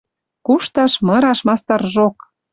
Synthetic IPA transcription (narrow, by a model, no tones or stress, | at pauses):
kuʃt̪ɑʃmɤɾɑʃmɑst̪ɑrʒok